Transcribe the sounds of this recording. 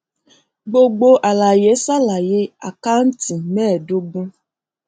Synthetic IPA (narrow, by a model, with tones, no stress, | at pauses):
ɡ͡bo˦ɡ͡bo˧ʔa˨la˨je˨˦sa˦la˨je˦a̰˨ka˦n̩˦ti˨mɛː˦˨do˦ɡ͡bu˦